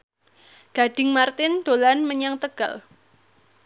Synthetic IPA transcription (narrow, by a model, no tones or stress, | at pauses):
ɡ̥a̤ɖ̥ɪŋmart̪ɪnd̪̥olanməɲaŋt̪əɡ̥a̰l